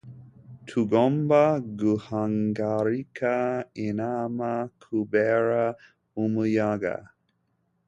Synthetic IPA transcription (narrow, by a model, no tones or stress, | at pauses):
tʰuɡɔmbaɡuhaŋɡaɾikʰainamakʰubɛɹa | uməjaɡa̰